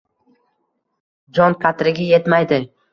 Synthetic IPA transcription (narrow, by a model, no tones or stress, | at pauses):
d͡ʒɒnqʰat̪ɾɪɡʲaje̞t̪majd̪ɪ